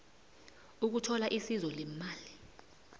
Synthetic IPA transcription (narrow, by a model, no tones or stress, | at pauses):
uk̬utʰɔlaʔisizɔlɛmaːli